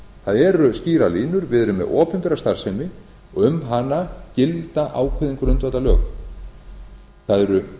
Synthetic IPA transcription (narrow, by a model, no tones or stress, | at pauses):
θaðɛɾʏsciːɾaliːnʏɾvɪðɾʏmːɛ̰ðɔːpʰʏnt̪ʏɾast̪aɾ̥sɛjmɪ | ɔʏmɦanːacɪlt̪aʔaːwkʰvɪðiŋkʏɾʏnt̪vat̪alœ̰ːɣ | θaðɛɾʏ